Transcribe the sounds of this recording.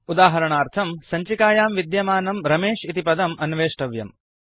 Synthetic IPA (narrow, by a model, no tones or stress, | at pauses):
ud̪aːɦɐɾɐɳaːɾt̪ʰɐmsɐɲt͡ʃikaːjaːmʋid̪jɐmaːnɐmɾɐmeːʂit̪ipɐd̪ɐmɐnʋeːʂʈɐʋjɐ̰m